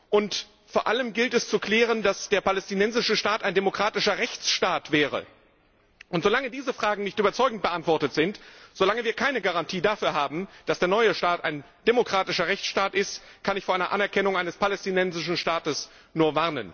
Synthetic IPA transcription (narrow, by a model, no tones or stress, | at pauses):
ʔʊnt | foːɐʔaləmɡɪltɛst͡sukl̥ɛːʁ̞əndasd̥eːɐpalɛstinɛnzɪʃəʃtaːtaɪndemokʁ̥aːtɪʃɐʁɛçt͡sʃtaːtv̥ɛːʁə̰ | ʔʊntz̥olaŋədiːzəfʁ̥aːɡŋ̩nɪçtyːbɐt͡sɔʏɡŋ̩t̚b̥əʔantv̥ɔɐtətz̥ɪntz̥olaŋəviːɐkʰaɪnəɡaʁantʰiːdafyːɐɦaːbm̩d̥asd̥eːɐnɔʏəʃtaːta̰ɪn | d̥emokʁ̥aːtɪʃɐʁɛçt͡sʃtaːtʔɪstkʰanɪçfoːɐaɪnɐʔanɛɐkʰɛnʊŋʔaɪnəspʰalɛstinɛnzɪʃn̩ʃtaːtəs | nuːɐvaɐnən